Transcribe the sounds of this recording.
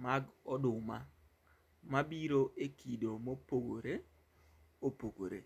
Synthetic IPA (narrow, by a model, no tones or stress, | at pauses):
maɡɔdʊma | mabiɾoʔekidomopoɡoɾe | opoɡo̰ɾḛ